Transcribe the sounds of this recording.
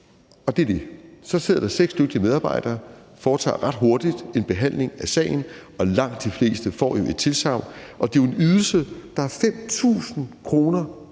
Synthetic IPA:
ɒ̽d̥e̝ɐd̥e̝sɒ̽se̝ð̰ˠɐd̥ɑ̈seɡ̥sd̥øɡ̥̚d̥imeðˠɑːb̥ɑ̈ɪ̰d̥ɐːfɒːt͡sʰɑ̰̈ːʁɑ̈d̥ɦo̝ɐd̥id̥e̝nb̥e̝ɦæn̰le̝ŋæsɛ̰ɪn̩ɒ̽lɑ̈ŋ̰d̥d̥ifle̝̰ːsd̥əfɒ̰ːjo̝ʔe̝d̥̚t͡sʰe̝lsɑ̈ʊ̰ʔɒ̽d̥e̝jo̝e̝nyðˠl̩səd̥ɑ̈æɐfem̰t͡sʰṵːsn̩kʰʁo̝ːnɐ

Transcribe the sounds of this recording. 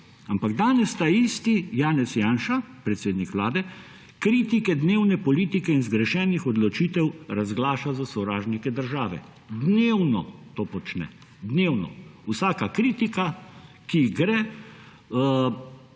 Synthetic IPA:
ampaɡd̪aːnɛst̪aist̪ijaːnɛsjaːnʃa | pɾɛt̪seːd̪nikʋlaːd̪ɛ | kɾiːt̪ikɛd̪neːwnɛpɔliːt̪ikɛinzɡɾɛʃɛːnixɔd̪lɔt͡ʃiːt̪ɛwɾazɡlaːʃazasɔwɾaːʒnikɛd̪əɾʒaːʋɛ̰ | d̪newnɔt̪oːpɔt͡ʃnɛ̰ | d̪neːwnɔ̰usaːkakɾiːt̪ika | kiɡɾɛː

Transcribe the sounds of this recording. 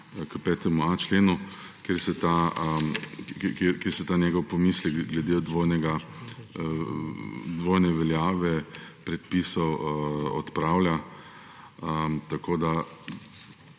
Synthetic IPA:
kəpɛːt̪ɛmuat͡ʃleːnu | keːɾsɛt̪a | kekeɾsɛt̪aːnjɛːɡɔwpɔmiːslɛkɡlɛd̪ed̪ʋojnɛɡa | d̪ʋoːjnɛʋɛljaːʋɛpɾɛt̪̚pisɔwɔt̪pɾaːwlja | ət̪akoːd̪a

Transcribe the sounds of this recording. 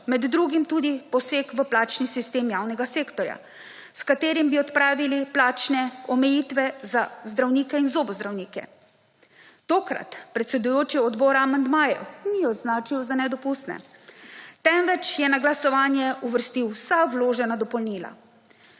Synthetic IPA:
mɛd̪ːɾuːɡimt̪ud̪ipɔseːkʋəplaːt͡ʃnisist̪eːmjaːwnɛɡaseːkt̪ɔɾja̰ | skat̪eːɾimbiɔt̪pɾaːʋiliplaːt͡ʃnɛɔmɛjiːt̪ʋɛzazd̪ɾawniːkɛinzoːbɔzd̪ɾawniːkɛ̰ | t̪oːkɾa̰t̪pɾɛt̪sɛd̪ujoːt͡ʃiɔd̪bɔːɾaamand̪maːjɛ̰wniɔd̪znaːt͡ʃiwzanɛd̪ɔpust̪nɛ̰ | t̪ɛmʋɛt͡ʃjɛnaɡlasɔʋaːnjɛuʋəɾst̪iwsawloːʒɛnad̪ɔpɔlniːla̰

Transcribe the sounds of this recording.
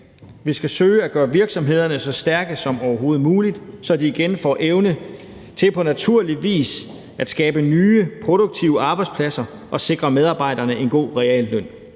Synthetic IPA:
ʋisɡ̥æsøːɪæɡ̥ɶːɐʋiɐɡ̥sɒ̽mɦe̝ð̞̰ˠɐnəsɒ̽sd̥æɐɡ̥əsɒ̽mɒʊɐɦo̝ːð̩ˠmuːlid̥sɒ̽d̥iːɡ̥enfɒ̰ːʔeʊnə | t͡sʰe̝lpʰɒ̽næt͡sʰuɐ̰liʋḭːs | æd̥sɡ̥ɛːb̥ənyːəpʰʁo̝d̥oɡ̥̚t͡sʰiʊəɑ̈ːb̥ɑ̈ɪdspʰlæsɐ | ʔɒ̽se̝ɡ̥ʁɐmeðˠɑ̈ːb̥ɑ̈ɪ̰dɐnəe̝nɡ̥o̝̰ːʁɛɛ̰ːlːœn̰

